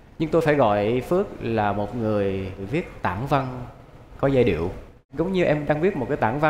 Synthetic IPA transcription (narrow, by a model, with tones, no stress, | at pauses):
ɲɨ˧ŋt̪o˧jfaː˧˩jɣɔ̰˧˨jfɨ˦˥ək̚laː˨˩mo˨˩t̚ŋɨ˨˩əjvi˦˥ət̚t̪aː˧˩ŋva˧nkɔ˨˦zaː˧jɗḭ˧˨əw | zə˨˦wŋ͡mɲɨ˧ʔɛ˧mɗaː˧ŋvi˦˥t̚mo˨˩t̚kaː˨˦t̪aː˧˩ŋva˧